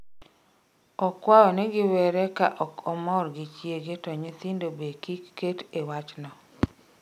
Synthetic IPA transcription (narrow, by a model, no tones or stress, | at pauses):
ɔkwajɔnɛɡɪwɛɾɛkaʔɔkɔmɔɾɡɪt͡ʃjeɡetɔɲesindobekikːetewat͡ʃnɔ